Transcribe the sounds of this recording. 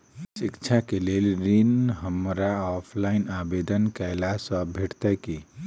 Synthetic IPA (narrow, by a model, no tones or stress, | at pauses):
sikt͡ʃʰakelelɾinɦəmɾaɔpʰlainabed̪ənkɛɪlasə̃bʱeʈt̪ɛki